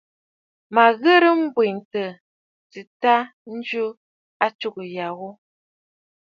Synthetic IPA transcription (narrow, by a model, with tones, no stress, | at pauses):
ma˨ɣə˦ɾə˦m̩˦bwe˨n˨tə˨ | tɨ˨ta˦ | n̩˦d͡ʒu˦ | a˦t͡ʃu˦kə˨ja˨ɣo˦